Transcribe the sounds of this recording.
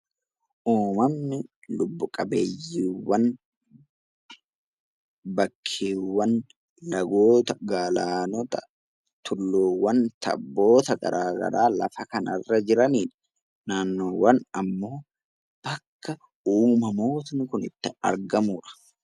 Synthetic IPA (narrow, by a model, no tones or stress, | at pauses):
ʔuːmɐmnɪlʊbːʊkʼɐbeːjːiːwːɐn | bɐkʰːeːwːɐn | lɐɡoːt̪ɐɡaːlaːnɔt̪ɐ | t̪ʰʊlːoːwːɐnt̪ɐ̰bːo̞ːt̪ɐɡɐ̰ɾaːɡɐ̰ɾaːlɐ̰fɐkɐnɐrːɐd͡ʒɪɾɐniːᶑɐ̥ | naːnːoːwɐnɐmːo̞ː | b̥ɐkːɐ | uːmɐmo̞ːt̪ɐnkʊnɪt̪ːɪɐ̰ɾɡɐmuːᶑɐ̥